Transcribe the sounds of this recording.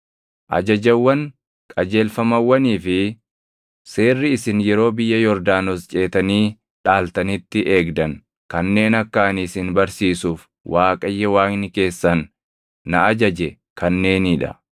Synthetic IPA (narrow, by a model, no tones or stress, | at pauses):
ʔɐ̰d͡ʒɐd͡ʒɐwːɐn | kʼɐd͡ʒe̞ːlfɐmɐwːɐniːfɪ | se̞ːrːɪɪsɪnjɛɾo̞ːbɪjːɐjɔɾd̪aːnost͡ʃʼe̞ːt̪ɐniː | ᶑaːlt̪ɐnɪt̪ːɪʔe̞ːɡd̪ɐn | kɐnːe̞ːnɐkːaːnisɪnbɐɾsiːsuːf | wʔaːkʼɐjːɐwaːknɪke̞ːsːɐnː | ɐʔɐd͡ʒɐd͡ʒɛ | kɐnːe̞ːnɪᶑɐ̰